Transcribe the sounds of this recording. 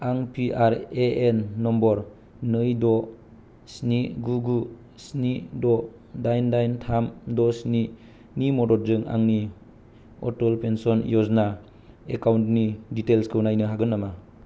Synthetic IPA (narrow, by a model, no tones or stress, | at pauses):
aŋpiʔaɾeenːɔmbɔɾ | nɯjdɔ | sniɡuɡu | snidɔ | dajndajntʰamdɔsni | nimɔdɔt̚zɯŋa̰ŋni | ɔ̰tɔlpensɔnjɔzna | ekawntniditelskʰɯunajnɯɦaɡɯnːama